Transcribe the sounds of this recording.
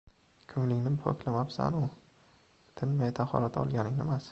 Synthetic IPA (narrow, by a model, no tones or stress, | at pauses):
kʲʰʊŋlɪŋʲnɪpʰo̰kʰʲlamapsa̰nʊ | t̪ʰɪnmajt̪ʰaχɒ̰lat̪ʰɒ̰lˠɡʲanɪŋnɪmas